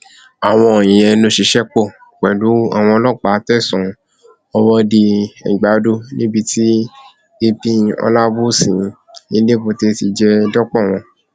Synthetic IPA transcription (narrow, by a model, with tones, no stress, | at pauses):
a˨w̃ɔ̃˧o˨j̃ĩ˨jɛ˧nõ˧˦ʃi˧ʃɛ˦k͡po˦˨ | k͡pɛ˨du˨˦a̰˨w̃ɔ̃˧lɔ˦˨k͡pa˨˦tɛ˦˨sɔ̃˨ | ɔ˧wɔ˦di˧ɛ̰˨ɡ͡ba˨˦do˦˨nĩ˦bi˧ti˦ | e˧pĩ˧ɔ̰˧la˦bu˦sĩ˨ | i˧˦le˦˨bo˧te˧ti˧d͡ʒɛ˧dɔ˦k͡pɔ˦˨w̃ɔ̃˧